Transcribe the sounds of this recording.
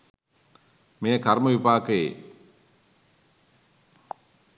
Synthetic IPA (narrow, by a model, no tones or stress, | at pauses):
mejəkarməʋipaːkəjḛ